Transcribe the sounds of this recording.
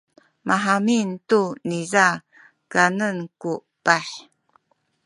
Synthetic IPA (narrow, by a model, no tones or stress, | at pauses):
maɦamintuniza | kanənku | b̥aħ